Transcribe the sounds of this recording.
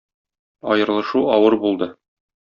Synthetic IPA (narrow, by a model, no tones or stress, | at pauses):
ɒ̰jɤ̆ɾlˠɤ̆ʃuɒwɤɾbulˠd̪ɤ